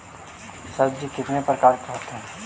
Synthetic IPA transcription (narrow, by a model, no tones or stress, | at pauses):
sɐbd͡ʒikɪt̪nepɾəkaːɾkɐɦət̪ɦɛː